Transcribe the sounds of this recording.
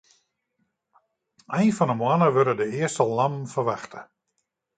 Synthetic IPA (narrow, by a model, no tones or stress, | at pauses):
ɛjnfɔnəmwanəʋøɾədəɪəstəlˠnamfərʋaxtʰə